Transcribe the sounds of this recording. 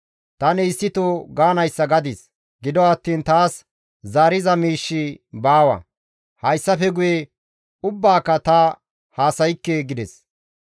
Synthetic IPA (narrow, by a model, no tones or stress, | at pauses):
t̪ɐnɪɪsːɪt̪oɡaːnɐjsːɐɡɐd̪ɪs | ɡɪd̪ɔɐt̪ːiːnt̪aːs | zaːɾɪzɐmiːʃːibaːwɐ̰ | hɐjsːɐfɛɡʊje | ʊbːaːkːɐt̪ɐ | haːsɐjɪkːeɡɪd̪ɛs